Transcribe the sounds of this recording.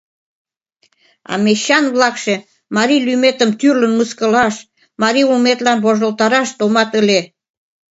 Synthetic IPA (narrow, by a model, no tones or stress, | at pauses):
ɑ̰meɕɑnβlɑkʃe | mɑɾilymet̪ə̆mt̪yrlə̆nməskə̆lɑʃ | mɑɾiulmet̪lɑnβoʒə̆lt̪ɑɾɑʃt̪omɑt̪ə̆le